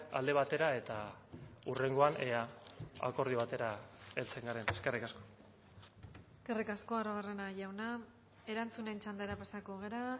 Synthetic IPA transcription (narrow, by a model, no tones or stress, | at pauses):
a̰ld̪e̞βat̪eɾae̞t̪a | ure̞ŋɡo̞aneaa̰ko̞ɾð̞ioβat̪e̞ɾae̞lt͡se̞ŋɡaɾe̞neske̞rikasko̞̥ | eske̞rikasko̞aroβare̞naʝawna | e̞ɾant͡sune̞nt͡ʃand̪eɾapasakoɣ̞e̞ɾa